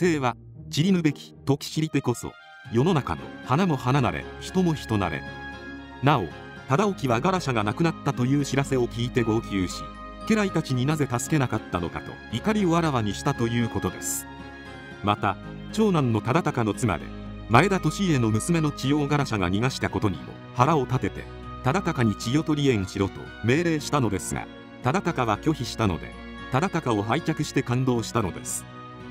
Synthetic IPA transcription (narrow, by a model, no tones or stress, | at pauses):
t̪e̞ːβa | t͡ɕiɾʲimɯ̟be̞kʲi̥t̪o̞kʲi̥ɕiɾʲit̪e̞ko̞so̰ | jo̞no̞naka̰no̞̰hanamo̞hananaɾe̞̰çi̥t̪o̞mo̞çi̥t̪o̞na̰ɾe̞̰ | nao̞̰t̪ad̪ao̞kʲiβaɡaɾaɕaɡanakɯ̟nat̪ːat̪o̞jɯːɕiɾase̞o̞kʲiːt̪e̞ɡo̞kʲɨːɕi̥̰ | ke̞ɾait̪at͡ɕiɲ̟inaze̞t̪asɨ̥ke̞nakat̪ːano̞̰ka̰t̪o̞̰ikaɾʲio̞aɾaβaɲ̟iɕi̥t̪at̪o̞jɯ̟ːko̞t̪o̞d̪e̞̰sɨ̥ | mat̪a | t͡ɕo̞ːnãnːo̞t̪ad̪at̪akano̞t͡sɨma̰d̪e̞̰ | mae̞d̪at̪o̞ɕie̞no̞mɯ̟sɨme̞no̞t͡ɕijo̞ːɡaɾaɕaɡa̰ɲ̟iŋaɕi̥t̪ako̞t̪o̞ɲ̟ḭmo̰haɾao̞t̪at̪e̞t̪e̞̰ | t̪ad̪at̪akaɲ̟it͡ɕijo̞t̪o̞ɾʲiẽ̞ɰ̃ɕiɾo̞t̪o̞̰ | me̞ːɾe̞ːɕi̥t̪ano̞d̪e̞sɨɡa̰ | t̪ad̪at̪akaβakʲo̞çiɕi̥t̪ano̞̰d̪e̞̰ | t̪ad̪at̪akao̞ɦait͡ɕakɯ̟ɕi̥t̪e̞kãnd̪o̞ːɕi̥t̪ano̞̰d̪e̞sɨ̥